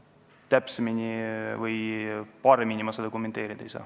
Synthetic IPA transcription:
t̪æpseminʲivɤjpɑɾeminʲimɑsɑd̪ekomːet̪e̞ːɾid̪̥ɑejsɑ̰ː

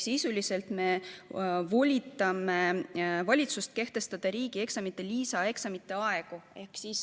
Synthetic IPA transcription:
sisulise̞lt̪me̞ | volʲit̪ːˑɑme̞vɑlʲit̪sust̪̚ke̞ht̪e̞st̪ɑd̪̥ɑɾiːɡie̞ksɑmit̪ːˑe̞liːsɑe̞ksɑmit̪ːˑe̞ɑe̞ɡue̞hksis

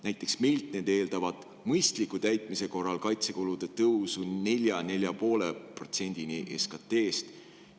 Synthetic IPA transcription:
næjt̪ːˑe̞ksmilt̪ne̞d̪e̞ːld̪̥ɑvɑd̪̥ | mɤjst̪likːut̪æjt̪ˑmise̞ko̞rːɑlkɑjt̪se̞kolud̪̥e̞t̪ɤwsune̞lʲjɑne̞lʲjɑpo̞ːle̞pro̞t̪se̞nʲd̪̥iniʔeskɑt̪ːe̞ːst̪

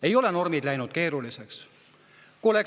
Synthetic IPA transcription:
e̞jo̞leno̞rmid̪̥læjnud̪̥ke̞ːɾulise̞ks | kuolek

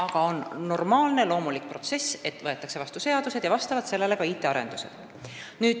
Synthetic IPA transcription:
ɑɡ̥ɑo̞nːo̞rmɑːlne̞lo̞ːmulik̚pro̞t̪se̞se̞t̪ˑvɤ̞e̞t̪ːˑɑkse̞vɑst̪use̞ɑd̪̥used̥̪jɑvɑst̪ɑvɑd̪se̞lːe̞le̞kɑit̪ːˑe̞ɑɾe̞̰nd̪̥use̞̰d̪̥ | nyːd̪̥

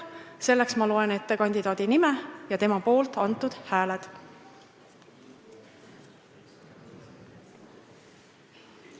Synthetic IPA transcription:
se̞lːeksmɑlo̞e̞ne̞t̪ːekɑnʲd̪̥id̪ɑːd̪̥inimejɑt̪e̞mɑpo̞ːlt̪ˑɑnt̪ːˑud̪̥hæːled̪̥

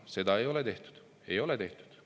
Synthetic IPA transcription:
se̞d̪ɑejo̞let̪e̞ht̪u̥d̪̥ | e̞jo̞let̪e̞ht̪u̥d̪̥

